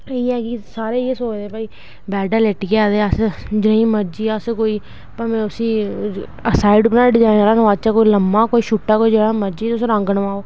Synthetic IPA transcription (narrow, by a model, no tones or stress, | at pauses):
iːɛːkisaːɾeːeːsoːt͡ʃd̪eːpaːiː | bɛːɖaːleʈːkaːd̪eːəsd͡ʒɪɽãĩːməɾd͡ʒiːəskoːiː | pəmɛ̃ːʊsĩː | əsaːɪɖpnãːɖɪd͡ʒãːɾãːnəʋaːd̪̚t͡ʃaːkoːiːləmːaːkoːiːʃuːʈːaːkoːiːd͡ʒəɽãːməɾd͡ʒiːʊsɾə̃ŋɡənʋãːoː